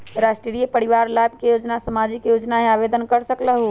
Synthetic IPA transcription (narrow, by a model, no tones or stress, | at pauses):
ɾasʈɾeɾijepəɾiʋaɾlabʱkejod͡ʒnasəmad͡ʒikjod͡ʒnaɦeabed̪ənkəɾsəkləɦu